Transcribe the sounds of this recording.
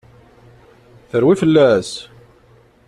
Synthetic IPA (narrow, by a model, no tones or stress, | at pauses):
θəɾwifəlːæs